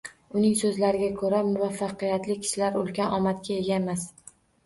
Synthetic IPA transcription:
ʊnɪŋsɵzlaɾɪɡʲakʰɵɾamʊvafːɑqɨjat̪lɪkʲʰɪ̥ʃɪlaɾolˠɡʲanʔɒmat̪̚kʲae̞ɡʲaemas

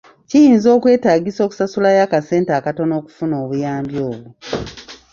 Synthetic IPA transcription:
cijiːnzo̞ːkwe̞ːtaːɡiso̞ːku̥sasulajakase̞ːntaːkato̞no̞ːku̥funo̞ːβujaːmbjoːβu

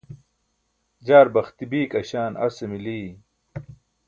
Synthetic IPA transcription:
d͡ʑaːɾbɐxt̪ibiːkɐɕaːnɐ̰semiliː

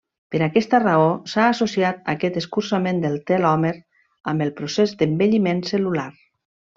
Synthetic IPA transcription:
pəɾakɛst̪əraosaːsosiat̪a̰kɛt̪əskuɾsamẽnd̪əlˠt̪ɛlɔmeɾ | əmbəlˠpɾusezd̪əmbeʎimensəlulaɾ

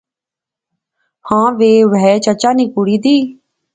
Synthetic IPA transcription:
hãːʋeːʋɛːt͡ʃət͡ʃaːnĩːkuɽiːd̪iː

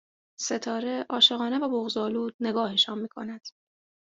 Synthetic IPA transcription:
se̞t̪ʰɒːɾe̞ʔɒːʃe̞ɣɒːne̞væboɣzɒːluːd̪̚ne̞ɡɒːheʃɒːnmiːkʰo̞̰næd̪̥

